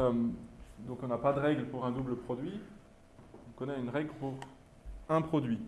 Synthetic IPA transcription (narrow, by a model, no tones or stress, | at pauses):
md̪ɔ̃kɔ̃napad̪əʁɛɡləpuʁɛ̃d̪ubləpχɔd̪ɥi̥ | ɔ̃kɔ̃naynʁɛɡlpuʁ | ɛ̃pχɔd̪ɥi